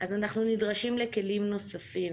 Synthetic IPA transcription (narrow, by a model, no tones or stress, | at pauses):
ʔazanaχnunidʁaʃimleke̞limno̞safim